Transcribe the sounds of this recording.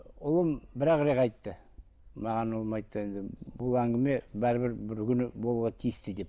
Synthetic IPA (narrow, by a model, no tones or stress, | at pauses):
ʊlˠəmbɪɾɑqɾekɑjt̪ːə | mɑʁɑnʊlˠəmɑjt̪ːəe̞nd̪ɪbʊlˠæŋɡʲɪme̞bæɾɪbɪɾbɪɾkʲʰʏnɪbolˠuʁɑt̪ʰijɪst̪ɪd̪e̞p